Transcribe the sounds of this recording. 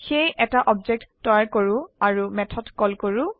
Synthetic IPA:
xejʔɛtaʔɔbd͡ʒek̚tːɔjaɹkoɹũaɹumɛtʰɔtkɔlkoɹu

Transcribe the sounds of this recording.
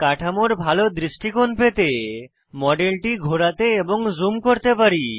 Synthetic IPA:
kaʈʰamoɾbʱalod̪ɾiʃʈikonpet̪e | mɔɖelʈiɡʱoɾat̪eeboŋzumkoɾt̪epaɾi

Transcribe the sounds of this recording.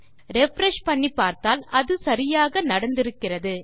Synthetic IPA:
ɾɛfɾɐʂpɐɳːipːaːɾt̪aːlɐðɯsɐɾɪjaːɣɐnɐɽɐnd̪ɪɾɯkːɪrɐðɯ

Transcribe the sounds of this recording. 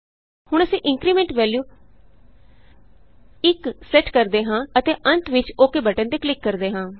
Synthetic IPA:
hʊɳ̃əsĩːʔɪŋkɾiːmẽːɳʈʋɛːljuː | ɪksɛːʈkəɾd̪eːɦãːət̪eːʔənt̪ʰʋɪt͡ʃoːkeːbəʈə̃nd̪eːklɪkːəɾd̪eːɦãː

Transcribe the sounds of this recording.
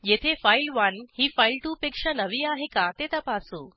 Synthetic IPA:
jet̪ʰefailʋənhiːfailʈupekʂanəʋiːaɦekat̪et̪apasuː

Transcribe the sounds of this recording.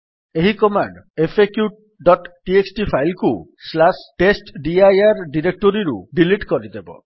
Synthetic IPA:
eɦikɔmaɳɖepʰekjuʈ̚ | ɖɔʈʈieksʈipʰajlkuslasʈesʈɖiajaɾɖiɾek̚ʈoɾiɾṵɖiliʈkɔɾid̪ebɔ̰

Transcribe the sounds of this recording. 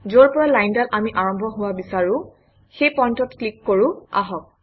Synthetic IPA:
zoɹpɔɹalajndalʔamiʔaɹɔmbʱɔɦʊwabisaɹʊ̃ | xejpɔjntɔtklikːoɹʊ̃a̰ɦɔk̚

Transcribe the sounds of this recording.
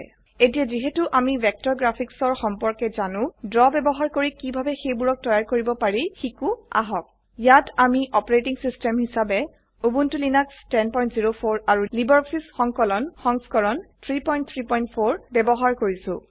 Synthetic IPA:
etijaziɦetuʔamibɛk̚tɔɹɡɹapʰiksɔɹxɔmpɔɹkɛzanʊ̃dɹɔbɛbɔɦaɹkoɹikibʱabɛxejbuɹɔk̚tɔjaɹkoɹibɔpaɹixikʊa̰ɦɔk̚ | jatamiʔɔpɔɹetiŋsistɛmɦisabɛ | obuntulinakstɛnpɔj̃ntziɹopʰoɹaɹulibɔɹɔksisxɔŋkɔlɔnxɔŋskɔɹɔnt̪ʰɹipɔj̃nt̚t̪ʰɹipɔjntpʰoɹbɛbɔɦaɹkoɹisʊ̰̃

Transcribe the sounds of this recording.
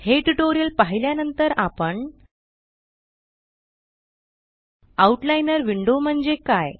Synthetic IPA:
heʈuʈoɾijəlpaɦiljanənt̪əɾapəɳ | auʈlajnəɾʋiɳɖom̤əɳd͡zekaj

